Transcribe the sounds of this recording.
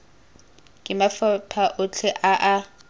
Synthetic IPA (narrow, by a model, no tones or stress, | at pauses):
kʼɪmafapʰaʔʊt͡ɬʰɛʔaʔa